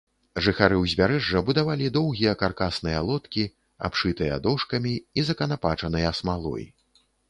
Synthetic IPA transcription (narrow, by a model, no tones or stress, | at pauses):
ʐɨxaɾɨwzʲvʲaɾɛʐːɐbud̪avalʲid̪ɔwɣʲijɐkarkasn̪ɨjɐlˠɔt̪kʲi | a̰pʂɨt̪ɨjɐ̰d̪ɔʂkɐmʲiizɐkɐnapat͡ʂɐnɨjɐsmalˠɔ̰j